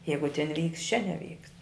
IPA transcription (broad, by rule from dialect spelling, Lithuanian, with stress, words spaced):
ˈjɛɪɡʊ tʲɪn ʋʲiːkst t͡ʃʲɛ nʲɛˈʋʲiːkst